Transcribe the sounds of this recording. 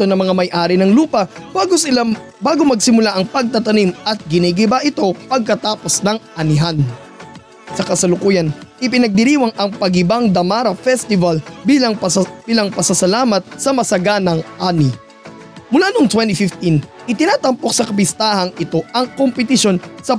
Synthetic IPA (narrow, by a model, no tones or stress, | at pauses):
t̪o̞nɐŋmɐŋamɐjʔaːɾɪnɐŋluːpɐbaɡosɪa | baːɡo̞mɐɡsɪmʊlaʔɐŋpɐɡ̚t̪ɐt̪ɐnimʔɐt̪̚ɡɪnɛɡɪbaʔɪt̪o̞pɐɡ̚kɐt̪aːpo̞snɐŋʔɐnɪɦan | sɐkɐsɐlʊkuːjɐnʔɪpɪnɐɡ̚d̪ɪɾiːwɐŋʔɐŋpɐɡɪbaŋd̪ɐmaɾɐfɛst̪ɪvɐlbilɐŋb̥iːlɐŋpɐsɐsɐlaːmɐt̪̚sɐmɐsɐɡanɐŋʔaːnɪ | mʊlanoŋt̪wɛnt̪ifɪft̪in | ʔɪt̪ɪnaːt̪ɐmpo̞k̚sɐkɐbɪst̪aːhɐŋʔɪt̪o̞ɐŋkompɛt̪ɪʃo̞nsɐ